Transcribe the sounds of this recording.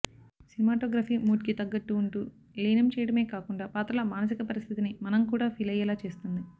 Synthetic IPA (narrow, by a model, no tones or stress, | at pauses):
sinimaːʈoːɡɾaːfiːmuːʈkit̪ɐɡːɐʈ̪ːuːɳʈuː | liːnɐmt͡ʃɛːjɐɽɐme̞ːkaːkuɳɖaːpaːt̪ɾɐlɐmaːnɐs̬ikɐpɐɾist̪ʰit̪inimɐnɐmkuːɽaːpʰiːlɐjɐlaːt͡ʃe̞ːst̪und̪i